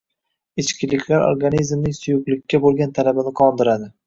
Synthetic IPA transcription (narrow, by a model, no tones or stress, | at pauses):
ɪt͡ʃkʲʰɪlɪkʲʰlaɾo̰ɾɡanizmnɪŋsʊjʊqlˠɪkʲːabolˠɡʲant̪ʰalabɪnɪqʰɒnd̪ɪɾad̪ɪ